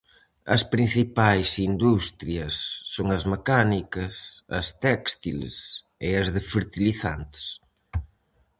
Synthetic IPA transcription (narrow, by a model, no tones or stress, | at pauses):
ɐ̰spɾin̟θipajsind̪ust̪ɾiɐsːoŋɐzmekanikɐsɐ̰st̪ɛkst̪il̰s | ɪɐzðefeɾt̪iliθa̰nt̪ɪ̥s